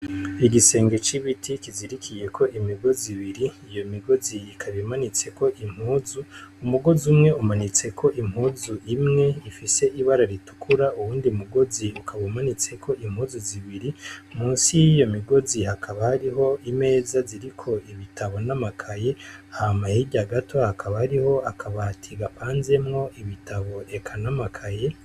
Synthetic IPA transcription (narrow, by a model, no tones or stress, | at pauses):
iɡise̞ːŋɡe̞t͡ʃiβitʰikiziɾikʰije̞kʰoʔimiɡo̞ziβiɾiːjo̞miɡo̞ziːkʰaβimanit͡se̞ko̞ʔim̥huːzuumuɡo̞zumŋe̞umanit͡se̞kʰo̞ʔim̥huːzuʔimŋe̞ifise̞iβaɾaɾitu̥kʰuɾauwuːndiumuɡo̞ziukʰaβaumanit͡se̞kʰo̞im̥huːzuziβiɾimuːnsijijo̞miɡo̞zihakʰaβahaɾiɦo̞ime̞ːzaziɾikʰo̞iβitʰaβo̞namakʰaje̞ahamahiɟaɡatʰohakʰaβahaɾiho̞akʰaβatʰiɡapaːnze̞mŋo̞ʔiβitaβo̞e̞kʰanamakʰaje